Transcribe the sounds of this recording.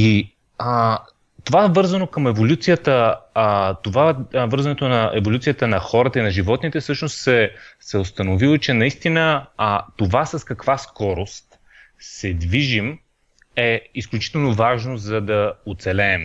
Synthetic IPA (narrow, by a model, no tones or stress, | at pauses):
i | t̪ovavɤɾzənokəmɛvolʲut̪sijət̪ə | t̪ovavɤɾzɐnɛt̪onɐɛvolʲut̪sijət̪ənɐxɔɾət̪əinɐʒivɔt̪nit̪ɛfsɤʃnost̪sɛsɛost̪ɐnovilˠot͡ʃɛnɐist̪inət̪ovasɐskɐkvaskɔɾost̪ | sɛd̪viʒim | ɛisklʲut͡ʃi̥t̪ɛlˠnovaʒnozɐd̪ɐot̪sɛlɛːm